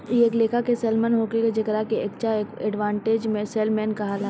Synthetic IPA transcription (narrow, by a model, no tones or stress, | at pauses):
ieːkleːkakesɛːlmənɦoːkeked͡ʒɪkɾakeek̚t͡ʃaekɛɖʋãːɳʈeːd͡ʒmẽsɛːlmɛ̃ːnkaɦala